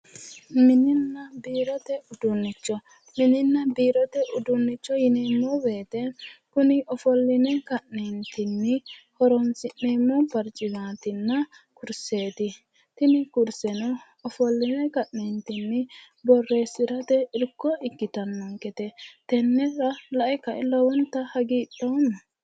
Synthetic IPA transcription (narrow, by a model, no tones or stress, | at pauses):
mɪnɪnːɐbiːɾɔt̪ɛʊd̪ʊnːɪt͡ʃːɔ | mɪnɪnːɐbiːɾɔt̪ɛʔʊd̪ʊnːɪt͡ʃːɔjɪneːmːɔbe̞ːt̪ɛkʊnɪɔfɔlːɪnɛkɐʔneːnt̪ɪnːɪhɔɾɔnsɪʔneːmːɔpɐɾt͡ʃʼːɪmaːt̪ɪnːɐ | kʊɾseːt̪ɪ | t̪ɪnɪkʊɾsɛnɔ | ɔfɔlːɪnɛkɐʔnent̪ɪnːɪ | bɔrːe̞ːsːɪɾɐt̪ɛɪɾkːɔɪkːɪt̪ɐnːɔŋkɛt̪ɛt̪ɛnːɛɾɐlɐʔɪkɐʔɛlɔwɔnt̪ːɐhɐɡiːtːoːnɐ